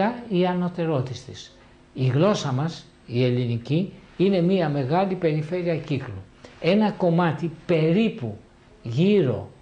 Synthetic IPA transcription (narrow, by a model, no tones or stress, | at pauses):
ɐiɐno̞t̪e̞ɾo̞t̪ist̪is | iɣlo̞sɐmɐs | ie̞liniciine̞miɐme̞ɣɐlipe̞ɾife̞ɾiɐciklu | e̞nɐko̞mɐt̪ipe̞ɾipu | ʝiɾo̞̰